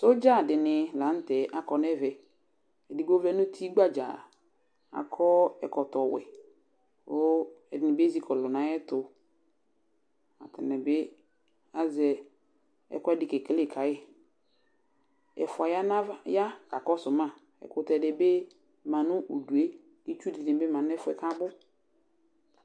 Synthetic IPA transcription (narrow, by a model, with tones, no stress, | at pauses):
so˦d͡ʒa˦˨dɪ˨nɪ˨lã˨˦n̩˦tɛ˨ʔa˨kɔ˨nɛ˦vɛ˨ | ɛ˨dɪ˨ɡ͡bo˦vlɛ˦nʊ̃˦tʰi˦ɡ͡ba˦d͡ʒa̰˨ | a̰˨kʰɔ˦ɛ̰˨kɔ˨tɔ˨wɛ̰˨ | o˦ɛ˨dɪ˨nɪ̃˨be˦zi˦kʰɔ˨lʊ˨nã˨˦ɛ˦tʊ˨ | a˨tɪ˨nɛ̃˨bɪ˦ | a˨zɛ˨ | ɛ̰˨kɔ˦ɛ˦dɪ˨kɛ˨kle˦˨kʰa˨ɪ˦ | ɛ̰˨fʊ˨a˨ja˦na˦ja˦ka˨kɔ˦sʊ˨mã˦˨ | ɛ̰˨kʊ˦tɛ˨dɪ˨be˦ | mã˨nʊ̃˦ʔo˨du˨e˦˨ | di˦t͡ʃu˦di˨nɪ̃˨be˦mã˨n˦ɛ˦fʊ˦ɛ˨ka˦bʊ˦